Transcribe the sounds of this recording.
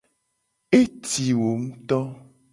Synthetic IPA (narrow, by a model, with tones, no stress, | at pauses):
e˦t̪i˨wo˨ŋũ˦t̪ɔ˦